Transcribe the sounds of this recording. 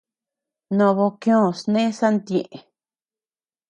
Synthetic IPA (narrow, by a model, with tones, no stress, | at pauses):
nõ˧βo˧kj̃õ˦˨snẽ˦sa˦nd̪ẽ˧˨ʔe˨